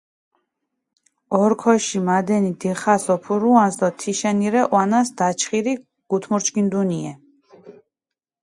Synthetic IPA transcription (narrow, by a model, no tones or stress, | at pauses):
ɔɾkʰɔʃimad̪ɛnid̪ɛχasɔpʰuɾuansd̪ɔt̪ʰiʃɛniɾɛʔwanasd̪at͡ʃʰχiɾi | ɡ̥ut̪ʰmuɾt͡ʃkind̪uniɛ